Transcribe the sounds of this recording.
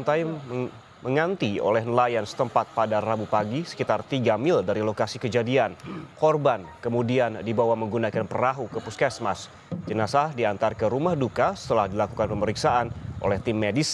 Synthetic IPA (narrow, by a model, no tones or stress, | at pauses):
ant̪aj | məŋant̪io̰lɛhnəlajansə̥t̪əmpat̪̚padarabupaɡisə̥kit̪art̪iɡamɪldaɾilokasikəd͡ʒadiankɔrbankəmudiandibawaməŋɡunakanpəɾaɦukəpuskasmas | d͡ʒənasahdiant̪arkəɾumahdukasə̥t̪əlahdilakukanpəməɾiksaʔanʔo̰lɛht̪ɪmːedis